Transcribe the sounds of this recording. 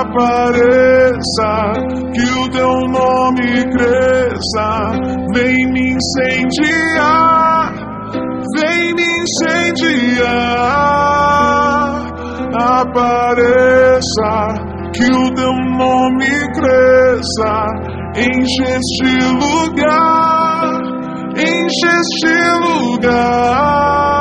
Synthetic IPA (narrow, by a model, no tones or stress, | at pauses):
paɾesɐ | kɪʊt̪ewnõmɪkɾesɐvẽj̃mɪĩsẽd͡ʒiaɾ | vẽj̃mɪĩsẽd͡ʒia | apaɾesɐ | kɪʊt̪ewnõmɪkɾesɐ | ẽj̃ʒest͡ʃɪluɡa | ɾ | ẽj̃ʒest͡ʃɪluɡa